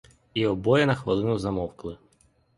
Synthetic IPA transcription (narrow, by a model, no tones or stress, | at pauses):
iɔbɔjɛnɐxʋɐlˠɪnʊzɐmɔwklˠɪ